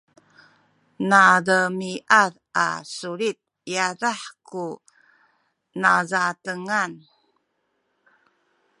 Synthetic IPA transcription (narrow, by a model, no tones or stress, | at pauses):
naɾəmiʔaɾʔa̰suɾit̪̚ | jaɾaħku | nazatəŋan